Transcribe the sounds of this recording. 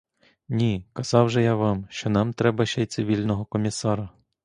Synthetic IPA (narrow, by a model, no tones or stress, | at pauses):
nʲikɐz̥ɑwʒɛjaʋɑmʃt͡ʃɔnɑmt̪ɾɛbɐʃɛjt̪sɪʋʲilʲnɔɦɔkɔmʲisɑɾɐ